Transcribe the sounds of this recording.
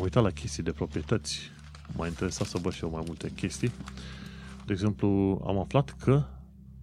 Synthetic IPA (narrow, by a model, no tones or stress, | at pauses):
mujt̪at̪lakʲe̞st̪ijd̪e̞pɾo̞pɾije̞t̪ət̪sʲ | mʔa̰jint̪e̞ɾe̞sat̪səvəʃiewmajmult̪e̞kʲʰe̞st̪ij | d̪eɡze̞mplua̰maflat̪kʰə